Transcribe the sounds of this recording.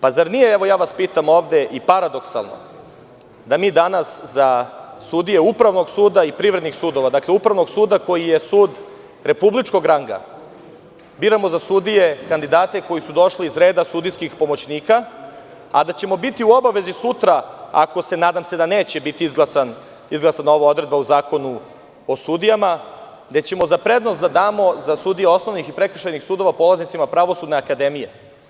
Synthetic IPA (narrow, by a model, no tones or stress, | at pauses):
pazaɾnijeeʋo̞jaːʋaspiːt̪amo̞ːʋd̪e̞ʔipaɾad̪o̞ksa̰lˠno̞̰ | d̪amiːd̪anaszasud̪ijeupɾaʋno̞ɡsuːd̪aipɾivɾe̞d̪nixsuːd̪o̞ʋad̪akle̞upɾavʋno̞ɡsuːd̪ako̞jijesuːd̪ | ɾe̞publit͡ʃko̞ɡɾaŋɡa̰ | biːɾamo̞zasud̪ijekand̪id̪aːt̪e̞ko̞jisud̪o̞ʃliːzɾe̞ːd̪asud̪ijskixpo̞mo̞t͡ɕniːka | a̰d̪at͡ɕe̞mo̞bit̪iuo̞baʋe̞zisut̪ɾaa̰ko̞se̞naːd̪amse̞d̪aneːt͡ɕe̞bit̪iizɡlˠasan | izɡlˠasano̞ʋao̞d̪ɾe̞d̪bauzaːko̞nu | osud̪ijama | d̪et͡ɕe̞mo̞zapɾe̞d̪nost̪d̪ad̪aːmo̞zasud̪ijeo̞sno̞ʋnixipɾe̞kr̩ʃajnixsuːd̪o̞ʋapo̞laznit̪simapɾaʋo̞sud̪neakad̪e̞mije